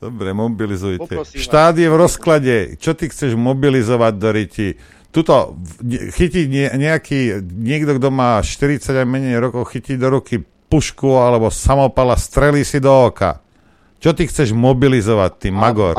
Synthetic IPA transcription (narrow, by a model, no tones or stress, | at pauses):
d̪̥ɔbɾɛmɔbilizujɛʃt̪aːd̪ɪjɛvɾɔsklaɟɛt͡ʃɔt̪ixt͡sɛʒmɔbilizɔʋaɟ̚d̪ɔɾici | t̪ut̪ɔɛxiciɲɛɲɛakiːɲɪɛɡd̪ɔɡd̪ɔmaːʃt̪iɾit͡saɟajmɛɲɛjɾɔkɔʊxiciːd̪ɔɾuki | puʃkuɔalɛbɔsamɔpalast̪ɾɛliːsid̪ɔɔka̰ | t͡ʃɔt̪ixt͡sɛʒmɔbilizɔʋat̪ːiːmaɡɔɾ